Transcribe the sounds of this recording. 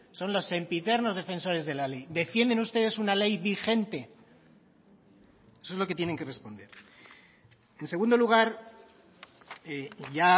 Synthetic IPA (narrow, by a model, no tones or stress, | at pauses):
so̞nlo̞se̞mpit̪e̞ɾno̞zðe̞fe̞nso̞ɾe̞zð̞e̞lale̞jd̪e̞fje̞nd̪enust̪e̞ð̞e̞sunale̞jβixe̞nt̪e̞ | esoezlo̞ke̞t̪jene̞ŋke̞re̞spo̞nd̪e̞ɾ | e̞nse̞ɣ̞und̪oluɣ̞aɾ | eʝa